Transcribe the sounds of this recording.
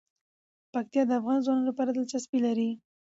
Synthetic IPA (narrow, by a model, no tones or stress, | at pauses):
pak̚t̪ijɑd̪əafɣɑnzwɑnɑlapɑɾad̪əlt͡ʃaspilaɾi